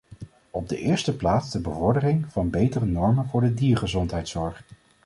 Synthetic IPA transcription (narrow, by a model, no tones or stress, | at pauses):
ɔb̚də̰ʔɪːɹstəplaːtzdəbəvɔɹdərɪŋv̥ɑnbejtərənɔɹmənvʊːɹdədiːɹχəzɔntɦɛjtsɔɹχ